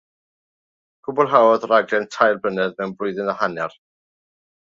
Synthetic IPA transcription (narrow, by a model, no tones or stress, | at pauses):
ɡ̥ʊbɔlˠɦawɔðɾaɡlɛntʰajlˠbənɛðmɛwnbrʊɨðɪnahanjar